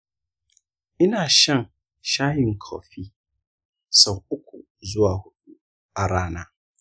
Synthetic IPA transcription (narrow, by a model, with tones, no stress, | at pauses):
ɪ˦nã˨ɕã˦n˨ | ɕã˦jɪ̃˦˨ŋ̩˨kʰɔ̰˨fi˦ | sɛ˨ʊ˦kʰʊ̰˨ | zʊ˦a˨hʊ˦ɗu˦ | a˨ɾaː˨˦nã˨